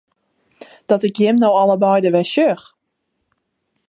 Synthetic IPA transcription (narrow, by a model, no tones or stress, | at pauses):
d̥ɔtɪkjɪmnowɔləbɔjdəʋɛʃøx